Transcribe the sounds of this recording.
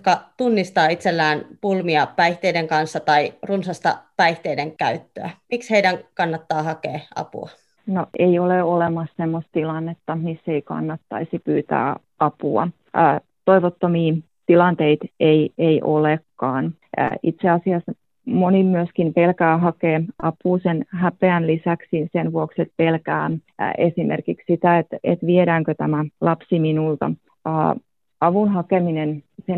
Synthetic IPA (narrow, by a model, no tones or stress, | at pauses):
kɑt̪unːist̪ɑːit̪selːæːnpulmiɑpæiht̪eideŋkɑnsːɑt̪ɑirunsɑst̪ɑ̰pæiht̪eideŋkæyt̪ːø̰æ̰miksheidæŋkɑnːɑt̪ːɑːhɑkḛːɑ̰pṵɑ̰ | noʔeioleolemɑssemːost̪t̪ilɑnːet̪ːɑmisːeikɑ̰nːɑt̪ːɑ̰isipyːt̪æ̰ː | ʔɑpuɑ̰ː | t̪oiʋot̪ːomiː | t̪ilɑnt̪eit̪eieiʔolekːɑːn̰ː | it̪seɑsiɑs | monimyøskimpelkæːɦɑkeːɑpuːsenhæpeænlisæksinsenʋuokset̪̚pelkæ̰ːesimʔḛrkikssit̪æet̪ḛt̪ʋieɾæːŋkøt̪æmælɑpsiminult̪ɑ̰ | əː | ɑʋunɦɑkeminense